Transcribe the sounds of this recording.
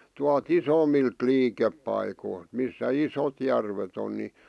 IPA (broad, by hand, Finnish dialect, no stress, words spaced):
tuɑlt isoˑmilt liːkepːɑikoilt misːæ isot jærʋet on ni